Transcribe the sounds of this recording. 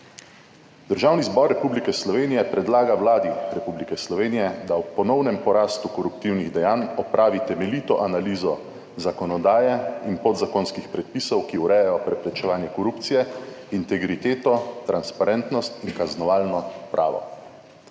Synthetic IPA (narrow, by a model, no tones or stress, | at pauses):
d̪̥əɾʒawnizbɔɾːɛpublikɛslɔʋeːnijɛpɾɛd̪laːɡawlaːd̪iɾɛpublikɛslɔʋeːnijɛd̪awpɔnɔwnɛmpɔɾaːst̪ukɔɾup̚t̪iwniɣd̪ɛjaːnɔpɾʔaːʋit̪ɛmɛliːt̪ɔʔanaliːzɔ | zakɔnɔd̪aːjɛinpod̪zakonskixpɾɛt̪̚piːsɔwkiuɾɛjɛjɔpɾɛpɾɛt͡ʃɛʋaːnjɛkɔɾupt̪sijɛ | int̪ɛɡɾit̪eːt̪ɔt̪ɾanspaɾɛnt̪nɔst̪inkaznɔʋaːlnɔpɾʔa̰ːʋɔ̰